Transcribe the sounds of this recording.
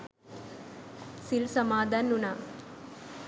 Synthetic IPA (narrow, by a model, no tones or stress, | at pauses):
silsɐmaːd̪anːuna